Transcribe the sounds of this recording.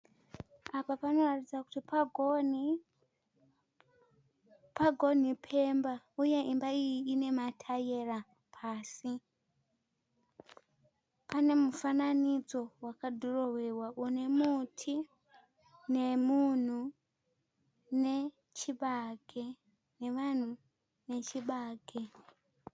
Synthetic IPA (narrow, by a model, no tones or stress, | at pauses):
apapano̞ratid͡zaku̥tipaɡn | paɡʱo̞nipʰemba | ujeʔimbaijiine̞matʰajera | pʰaːsi | pʰane̞mufananid͡zo̞wakadʱorowe̞waʔune̞mutʰi | nemun̤u | ne | t͡ʃiɓaɡe | ne̞ʋan̤u | ne̞t͡ʃiɓaːɡʱe